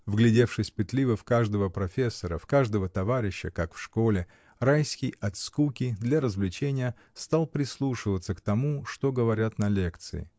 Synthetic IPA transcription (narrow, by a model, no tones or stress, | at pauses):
vɡlʲɪdʲe̞fʂɨsʲpɨt̪lʲivəfkaʐd̪əvəpɾɐfʲe̞sːəɾəfkaʐd̪əvət̪ɐvaɾʲɪɕːəkakfʂko̞lʲɪ | rajskʲɪjɐt̪skukʲɪd̪lʲɐɾəzvlʲɪt͡ɕenʲɪjə | st̪alˠpɾʲɪslˠuʂɨvət̪səkt̪ɐmuʂt̪o̞ɡəvɐɾʲat̪nɐlʲe̞kt̪sɨ̰ɪ̰